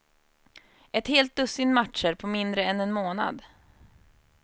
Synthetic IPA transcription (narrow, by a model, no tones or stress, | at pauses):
ɛt̪heːlt̪̚d̪ɵsːɪt̪mat̪ʂəɾpʰɔmɪnd̪ɾəɛnɛnmoːna̰d̪